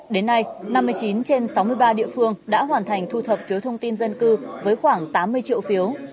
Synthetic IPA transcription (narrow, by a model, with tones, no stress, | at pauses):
ɗe˨˦nːa˧jna˧mːɨ˧əjt͡ɕi˨˦nt͡ɕe˧nsa˨˦wmɨ˧əjɓaː˧ɗḭ˧˨əfɨ˧əŋɗa̰ː˧˥ɦwaː˧˩nt̪ʰa˨˩jŋ̟t̪ʰu˧t̪ʰə˨˩p̚fi˨˦əwt̪ʰə˧wŋ͡mt̪i˧nzə˧nkɨ˧vəː˨˦jxwaː˧˩ŋt̪aː˨˦mːɨ˧əjt͡ɕḭ˧˨əwfi˨˦əw